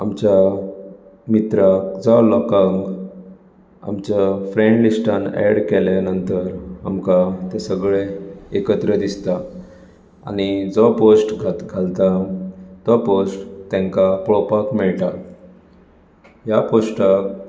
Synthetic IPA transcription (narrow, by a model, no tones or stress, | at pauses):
amt͡ɕa | mit̪ɾak̚d͡zalɔkaŋɡ | a̰mt͡ɕafɾẽɳɖlisʈanɛ̰ɽkɛljanənt̪əɾa̰mkat̪esəɡɭeekət̪ɾəd̪ist̪a | a̰ɽ̃id͡zɔposʈɡʱaɡʱalt̪at̪ɔposʈt̪ɛ̃ŋkapɭɔpakmɛɭʈ̪a | ɦjaposʈak